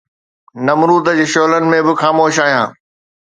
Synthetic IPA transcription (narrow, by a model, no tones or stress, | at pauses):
nɐmɾuːt̪əd͡ʑeːʃoːɦlənɪ̆mẽbɪxaːmoːʃaːɦijãː